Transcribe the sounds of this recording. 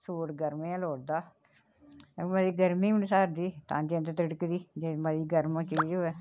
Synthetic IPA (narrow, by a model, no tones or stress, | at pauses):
suːʈɡəɾmẽãːloːɽd̪aː | məd̪iːɡəɾmiːʊnsaːɾd̪iːt̪ã̰ːd͡ʒẽːnd̪t̪əɽkd̪iːd͡ʒeːmədiːɡəɾmə̃ːt͡ʃiiːd͡ʒoɛː